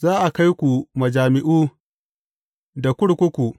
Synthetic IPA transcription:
zaː˦ʔa˨ka˦jkʷu˨mɐ˨d͡ʒaː˨mɪ˦ʔuː˦ | da˨kʷʊ˦ɽkʷʊ˦kʷu˨ʔ

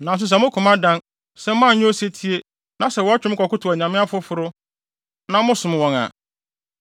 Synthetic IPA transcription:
nã˨s̬ʊ˨˦s̬ɛ˨mʊ̃˦kʰʊ̃˨mã˦dã˦n | sɛ˦m˦mã˦˨ɲʊ̃˦o˦se˦tʰi˦e˦ | nã˨˦sɛ˨wɔ˨˦a˦t͡ɕᶣɪ˦kɔ˨kʊ˦tʰʊ˨a˨ɲã˨mɪ̃˦a˦fʊ˦fʊ˨ɾʊ˦ | nã˦mʊ̃˦sʊ̃˨m˨wɔ̃˨ŋa̰˨

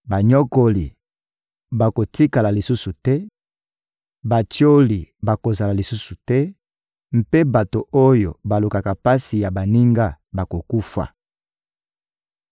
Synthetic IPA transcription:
ba˨ɲɔ˦ko˦li˨ | ba˨ko˨ti˦ka˨la˨li˨su˦su˨tɛ˦ | ba˨tjo˦li˨ba˨ko˨za˨la˨li˨su˦su˨tɛ˦ | m̩˦pe˦ba˨to˨o˦jo̰˨ba˨lu˨ka˨ka˨pa˦si˨ja˨ba˨ni˦ŋɡa˦ba˨ko˨ku˦fa̰˨

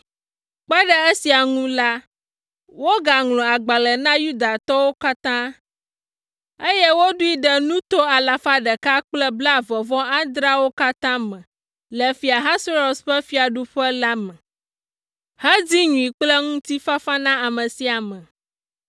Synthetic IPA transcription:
k͡pɛ˦ɖə˦e˦si˨a˨ŋũ˦la˦ | wo˦ɡa˨ŋlɔ̃˨a˨ɡ͡ba˨lɛ˨nã˦ju˦d̪a˨t̪ɔ˦wo˦ka˦t̪ã˦ | e˦jɛ˦wo˦ɖu˦i˦ɖɛ˨nũ˦t̪o˦a˨la˨fa˦ɖɛ˨ka˦k͡plɛ˦bla˦˨vɔ˨vɔ̃˦a˦d̪ɾa˦wo˦ka˦t̪ã˦mɛ̃˨ | lɛ˨fi˨a˨ɦã˦so˦ɾo˨sɸɛ˦fi˦a˨ɖu˦ɸɛ˦la˦mɛ̃˨ | hɛ˦d͡zi˦ɲũ˨i˨k͡plɛ˦ŋũ˦t̪i˦fa˦fa˦nã˦a˨mə̃˨si˨a˨mɛ̃˨

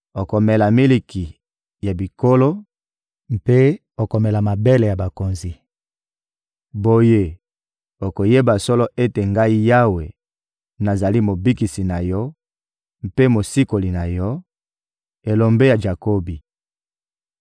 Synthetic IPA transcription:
o˨ko˨mɛ˨la˨mi˦li˨ki˨ | ja˨bi˨ko˦lo˦ | m˦pe˦ | o˨ko˨me˨la˨ma˨be˦le˨ja˨ba˨ko˨nzi˨ | bo˨je˦ | o˨ko˨je˦ba˨sɔ˦lɔ˦ʔe˦te˨ŋɡa˦i˦ja˦we˨ | na˨za˨li˦mo˨bi˦ki˨si˨na˨jɔ˦ | m˦pe˦mo˨si˦ko˨li˨na˨jɔ˦ | e˨lo˨mbe˦ja˨d͡ʒa˨ko˦bi˨

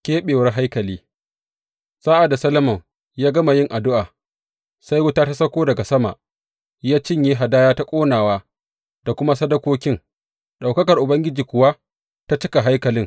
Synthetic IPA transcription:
kʲeː˦ɓeː˨wɐ˦rɦa˦jkɐ˨liː˦ | saː˦ʔa˨da˨sɐ˦lɐ˦mɐ˨ŋ | jaː˦ɡɐ˦ma˨jɪ˦ŋʔa˨dʊ˦ʔaː˨ | sa˦jwʊ˦taː˦ta˦sɐ˦kʷoː˦dɐ˨ɡa˨sɐ˦ma̰˨ʔ | jaː˦t͡ʃɪ˦ɲjeː˦ɦa˨daː˦jaː˦ta˦kʷʼoː˦naː˨waː˦ | d̥a˨kʷʊ˦ma˦sɐ˦dɐ˦kʷoː˦kʲɪ˦ŋ | ɗa˨wkɐ˦kɐ˨rʔʊ˨bɐ˦ŋɡʲɪ˦d͡ʒiː˨kʷʊ˨wa˦ | ta˦t͡ʃɪ˦ka˨ɦa˦jkɐ˨lɪ˦ŋ

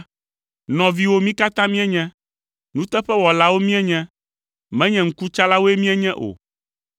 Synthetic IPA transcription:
nɔ̃˨vi˦wo˦mĩ˦ka˦t̪ã˦mĩ˦ɛ˦ɲɛ̃˦ | nũ˦t̪ɛ˦ɸɛ˦wɔ˨la˦wo˦mĩ˦ɛ˦ɲɛ̃˦ | mɛ̃˦ɲɛ̃˨ŋ̩˦ku˦t͡ʃa˦la˦wo˦e˦mĩ˦ɛ˦ɲɛ̃˦ʔo̰˨

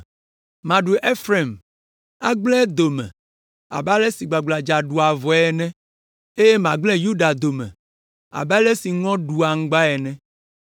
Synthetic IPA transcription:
mã˨ɖu˨ʔe˦fɾe˨m | a˦ɡ͡blɛ̃˦d̪o˨mɛ̰̃˨ | a̰˨ba˦lɛ˦si˨ɡ͡ba˨ɡ͡bla˨d͡ʒa˨ɖu˨a˨vɔ˨ɛ˨nɛ̃˦ | e˦je˦mã˨ɡ͡blɛ̃˦ju˦ɖa˨d̪o˨mɛ̰̃˨ | a̰˨ba˦le˦si˨ŋɔ̃˦ɖu˨a˨ŋ̩˦ɡ͡ba˦ɛ˨nɛ̃˦

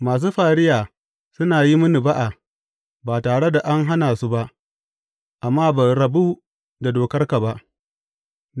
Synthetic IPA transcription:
maː˨s̬uː˦ɸaː˨ɽɪ˦jaː˨ | sʊ˦naː˨ji˦mʊ˦ni˨ba˦ʔa˨ | baː˨taː˨ɽe˦da˨ʔa˦ŋɦa˦naː˨su˦ba˦ʔ | ʔa˨mːaː˦bɐ˨jɾɐ˨bu˦ | da˨doː˨kɐ˦rka˨ba˦ʔ

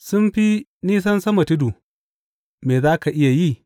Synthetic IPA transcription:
sʊ˦mɸi˦niː˦s̬ɐ˦nsɐ˦mɐ˨tɪ˦du˨ | meː˨zaː˦ka˨ʔɪ˦ja˨ji˦

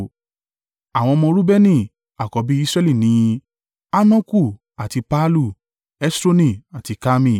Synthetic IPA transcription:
a˨w̃ɔ̃˧mɔ̃˧ɾu˦bɛ˦nĩ˦˨ | a˨kɔ˨˦bi˦i˦sɾɛ˦li˦˨nĩ˨˦ | a˦nã˦ku˦˨ | a˨ti˧pa˦lu˦˨ | ɛ˦sɾo˦nĩ˦˨a˨ti˨˦ka˦mĩ˦˨

